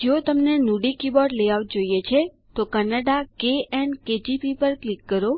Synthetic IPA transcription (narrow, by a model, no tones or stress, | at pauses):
d͡ʒeot̪əmnenuɖikibɔɖleʋaʋd͡ʒojet͡ʃʰe | t̪okənaɖakeɛnked͡ʒipipəɾklikːəɾo